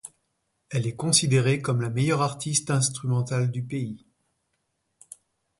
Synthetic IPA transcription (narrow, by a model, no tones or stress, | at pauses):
ɛlɛkɔ̃sid̪eʁekɔmlamejœʁaʁt̪ʰist̪ɛ̃st̪χymɑ̃t̪ald̪ypei